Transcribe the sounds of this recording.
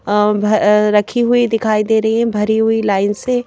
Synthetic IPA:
bʱɐɾɐkʰiɦʊid̪ɪkʰaːid̪eːɾɐɦiɦɛ̃bʱɐɾiɦʊilaːɪnse

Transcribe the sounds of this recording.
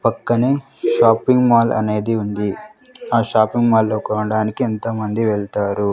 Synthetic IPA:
pɐkːɐneː | ʃaːpːiŋɡmaːlʔɐ̰ne̞ːd̪iund̪i | aːʃaːpiŋɡmaːlːoːkɐʋɐɽaːnikient̪ɐmɐnd̪iʋeɭt̪aːɾu

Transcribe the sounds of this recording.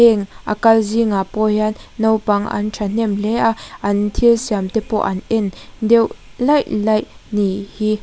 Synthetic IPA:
ɛŋʔa̰kɐlziŋaːpɔjanːɔwpɐŋɐ̰nʈ͡ʂʰan̥ɛmlɛaʔɐnt̪ʰilsiamt̪ɛpɔ̰ʔɐnʔɛnd̪ɛwlɐjʔlɐjnihi

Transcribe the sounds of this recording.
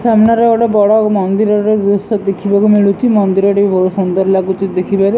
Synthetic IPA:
fɛmnaɾeoʈɔbɔɽɔmɔnd̪iɾɔɾeusɔd̪ekʰibakumiɭut͡ʃʰimɔnd̪iɾɔɾibʱosund̪ɔɾlakut͡ʃid̪ekʰibaɾi

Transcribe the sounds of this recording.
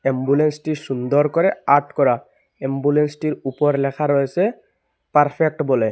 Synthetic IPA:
ɛmbulensʈiʃund̪ɔɾkɔɾɛaʈkɔɾa | ɛmbulensʈiɾupɔɾlɛkʰaɾɔjese | paɾpʰek̚ʈbɔlɛ

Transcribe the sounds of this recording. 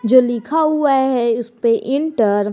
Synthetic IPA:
d͡ʒoːlɪkʰaɦʊaɦɛʊspeʔɪ̃ɳʈəɾ

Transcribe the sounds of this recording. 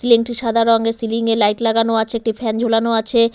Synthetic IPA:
sileŋʈiɾʃad̪ʱaɾɔŋɡesiliŋelajʈlaɡanoat͡ɕʰeek̚ʈifʰɛnd͡ʑʱolanoat͡ɕʰe

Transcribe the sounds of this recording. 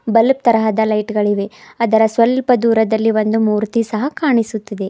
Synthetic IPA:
bɐlp̚t̪ɐɾɐɦɐd̪ɐlɐjʈɡɐɭiʋe̞ɐd̪ɐɾɐsʋɐlpɐd̪uːɾɐd̪ɐlːiʋond̪umuːɾt̪isɐɦɐkaːɳisut̪ːɐd̪e̞

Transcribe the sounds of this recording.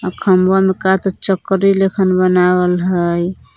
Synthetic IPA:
akʰəmwamekat̪ɔt͡ʃəkɾilekʰənbənawəlɦəj

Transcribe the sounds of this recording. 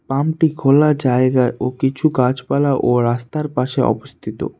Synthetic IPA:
pamʈikʰolad͡ʑaeɡaeʔokit͡ɕʰukad͡ʑpalaʔoɾast̪aɾpaʃeʔɔ̰bost̪ʰit̪o̰

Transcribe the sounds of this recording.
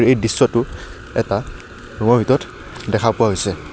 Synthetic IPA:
ɹejdisːɔtʊ | ɛ̰ta | nɔŋɔbʱitɔt | dɛkʰapʊwaɦojsɛ

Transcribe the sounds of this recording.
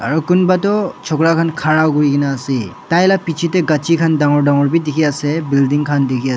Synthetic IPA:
a̰ɹukunbatɔt͡ʃʰɔkɹakʰankʰaɹawɡuɹikinaːsitajlapit͡ʃʰitɛɡat͡ʃʰikʰandaŋɔɹdaŋɔɹbidekʰiasɛbildiŋkʰandekʰia

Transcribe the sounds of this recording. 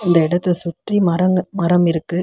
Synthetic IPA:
ɪnd̪ɐɪɽɐt̪ːɯsʊʈrimɐɾɐŋmɐɾɐmɪɾɯkːɯ

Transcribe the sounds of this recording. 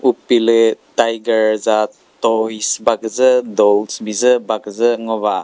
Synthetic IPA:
upiletajɡəɾza | tɔisbaɡzədɔlsbizəbaɡzəŋɔβa

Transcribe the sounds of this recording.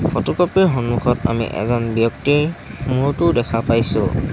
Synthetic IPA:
fʰɔtɔkɔpiɹɦɔnmukʰɔta̰mḭʔɛ̰zɔnbjɔk̚tiɹmuɹtʊdɛkʰapajsʊ̰

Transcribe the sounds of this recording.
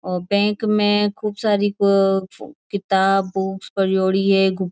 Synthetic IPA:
ɔːɾbɛ̃ːkmẽkʰuːbsaːɾi | kɪt̪aːbːʊkspɐɾjoːɽiɦɛɡʊ

